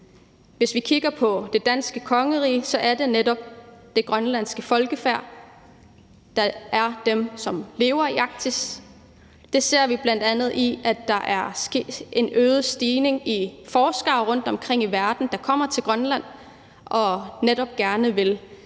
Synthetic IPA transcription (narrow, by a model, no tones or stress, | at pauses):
ʋe̝sʋikʰiɡ̥ɐpʰɒ̽d̥e̝d̥æn̰sɡ̥əkʰɒ̽ŋəʁḭːsɒ̽ʔæɐd̥e̝neɾɒ̽b̥̚d̥e̝ɡ̥ʁɶnlæn̰sɡ̥əfɒ̽lɡ̥əfæɐ̰ | d̥ɑ̈æɐd̥emsɒ̽mle̝ːʊɐiɑ̈ɡ̥̚t͡sʰis | d̥e̝se̝ɐ̰ʋib̥læn̰d̥ænð̩ˠiʔæd̥ːɑ̈ʔæɐse̥e̝nøːðˠsd̥iːne̝ŋifɒːsɡ̥ɑ̈ʊʁɔ̽n̰d̥ɒ̽mkʰʁeŋ̰iʋæɐd̥n̩d̥ɑ̈kʰɒ̽m̰ɐt͡sʰe̝lɡ̥ʁɶnlæn̰ | ʔɒ̽neɾ̥ɒ̽b̥̚ɡ̥æɐnəʋe̝l